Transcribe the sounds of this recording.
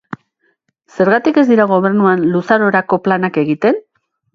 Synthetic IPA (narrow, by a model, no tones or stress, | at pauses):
se̞ɾɣat̪ike̞zd̪iɾaɣ̞o̞β̞e̞rnuanlusaɾo̞ɾako̞planake̞ɣit̪e̞n